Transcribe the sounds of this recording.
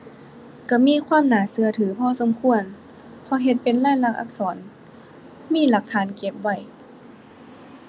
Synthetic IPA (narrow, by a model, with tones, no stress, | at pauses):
ka˧˩miː˧˥˨kʰwaː˧˥˨mnaː˨˦sɯ˧˦ɐt̪ʰɯː˨˩˦pʰɔː˧˥˨so˨˦mkʰu˧˨ən | pʰɔ˧˦ɦe˧t̪̚pe˨nlaː˧˥˨nla˧˩k̚ʔa̰˧k̚sɔː˩˦n | miː˧˥˨la˧˦k̚t̪ʰaː˧˥nke˧˩p̚wa˧˩j